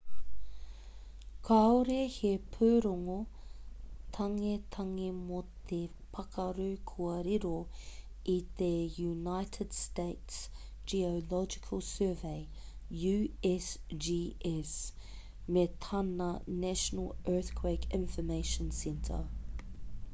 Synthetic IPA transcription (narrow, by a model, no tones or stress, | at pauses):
kʰaoɾehepʰʉːɾoŋo | t̪ʰɐŋet̪ʰɐŋemot̪ʰe | pʰɐkʰɐɾʉkʰuɐɾiɾo | it̪ejunaɪtʰəd̥steɪts | d͡ʒiolɔd͡ʒɪ̥kʰəlˠsɜːveɪ | jʉɛsd͡ʒiɛs | met̪ʰɐnɐnæʃənəlɜːˑθkʰweɪkʰɪ̃ɱfəmeɪʃənsɛntʰə̰